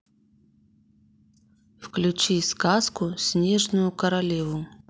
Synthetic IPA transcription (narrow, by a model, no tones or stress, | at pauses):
fklʲʉt͡ɕiskaskʊsʲnʲe̞ʐnʊjʊkəɾɐlʲevʊ